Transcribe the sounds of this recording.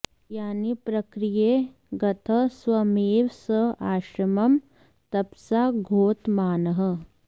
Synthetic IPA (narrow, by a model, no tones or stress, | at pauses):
jaːnipɾɐkɾijeː | ɡɐt̪ʰɐswɐmiːʋsɐaːʃɾɐmɐm | t̪ɐpsaɡʱoːt̪maːnɐɦɐ̆